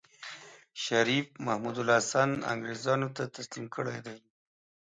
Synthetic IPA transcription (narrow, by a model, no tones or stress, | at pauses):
ʃaɾifmahmud̪ʊlasana̰ŋɡɾezɑnot̪at̪aslimkʰəɽa̰jd̪aj